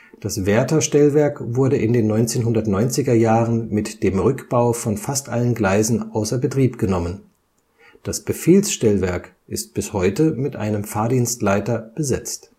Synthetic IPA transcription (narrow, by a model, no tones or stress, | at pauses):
d̥asv̥ɛɐtɐʃtɛlvɛɐkvʊɐdəʔɪndeːnːɔʏnt͡seːnɦʊndɐtnɔʏnt͡sɪɡɐjaːʁənmɪtd̥eːmʁʏkb̥aʊfɔnfastʔalənɡlaɪzn̩ʔaʊsɐbətʁ̥iːpɡ̥ənɔmən | d̥asb̥əfeːlsʃtɛlvɛɐk | ʔɪst̚b̥ɪshɔʏtəmɪtʔa̰ɪnəmfaːɐdiːnstlaɪtɐb̥əzɛt͡st